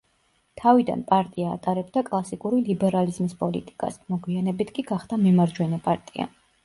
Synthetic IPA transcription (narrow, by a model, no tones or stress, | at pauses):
t̪ʰavid̪a̰npʼaɾt̪ʼia̰ːt̪ʼaɾɛbd̪akʼlˠasikʼuɾilibɛɾalizmispʼɔlḭt̪ʼi̥kʼa̰smɔɡwianɛbit̪ʰkʼiɡaχd̪amimaɾd͡ʒwɛnɛpʼaɾt̪ʼia̰